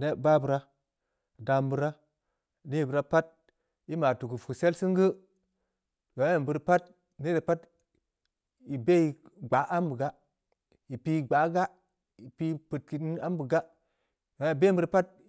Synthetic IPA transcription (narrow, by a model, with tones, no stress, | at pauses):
ne˦˨ba˦bu˨ɾa˦˨ | da˨mbu˨ɾa˦˨ | ni˦i˨bɨ˨ɾa˦pa˦t̚ | i˦ma˨tu˨ku˨fu˨se˦lsɨ˦ŋɡə˦˨ | ɡo˨˦a˨bɨ˨ɾpa˦t̚ | ne˦de˨pa˦t | i˨be˦i˨ɡ͡ba˨˦ʔa˦mbɨ˨ɡa˦ | i˨pi˦ɡ͡ba˨˦ɡa˦ | i˨pi˦pɨ˨t̚ki˨i˦na˦mbu˨ɡa˦ | a˨˦i˨be˦bɨ˦ɾpa˦t̚